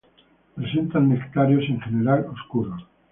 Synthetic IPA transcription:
pɾese̞nt̪annekt̪aɾjoseŋxeneɾaloskuɾo

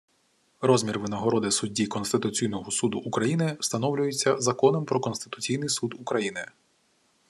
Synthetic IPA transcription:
rɔzmʲirʋɪnɐɦɔɾɔd̪ɪsʊdʲːikɔnst̪ɪt̪ʊt͡sʲijnɔɦɔsud̪ʊʔːkɾɐjinɪst̪ɐnɔwlʲʊjet͡sʲːɐzɐkɔnɔmpɾɔkɔnst̪ɪ̥t̪ʊt͡sʲijnɪjsud̪ukɾɐjinɪ

